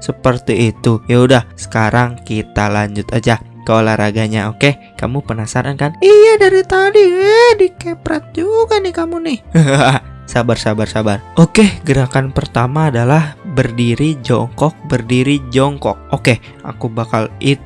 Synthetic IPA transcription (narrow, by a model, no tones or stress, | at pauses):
səpərt̪iit̪ujaudahsə̥kaɾaŋkit̪alaɲd͡ʒʊt̪ad͡ʒa | kəolaɾaɡaɲaoke | ka̰mupənasaɾʔankanijadaɾit̪adiɛdikepɾat̪̚d͡ʒukanːɪhkamunɪhɦasabarsabarsabarʔokeɡəɾakanpərt̪amaːdalahbərdiɾid͡ʒɔŋkɔk̚bərdiɾid͡ʒɔŋkɔ̰k̚oke | a̰kubakalit̪